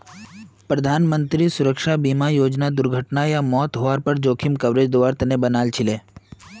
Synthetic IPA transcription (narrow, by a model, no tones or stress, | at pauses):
pɾɐd̪ʱaːnmə̃nt̪ɾisʊɾəkʃabiːmajoːd͡ʒnad̪ʊɾɡʱəʈnajamɔːt̪ɦoaːɾpəɾd͡ʒoːkʰɪmkɐʋɾeːd͡ʒd̪oʋaːɾt̪ɐnebɐnaːlt͡ʃʰɪleː